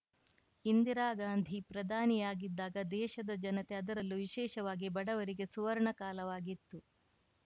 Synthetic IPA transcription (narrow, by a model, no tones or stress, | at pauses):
ind̪iɾaːɡaːnd̪ʱipɾɐd̪ʱaːnijaːɡid̪ːaːɡɐd̪ɛːʃɐd̪ɐd͡ʒɐnɐt̪e̞ɐd̪ɐɾɐlːuʋiʃɛːʃɐʋaːɡibɐɽɐʋɐɾiɡe̞suʋɐɾɐɳɐkaːlɐʋaːɡit̪ːu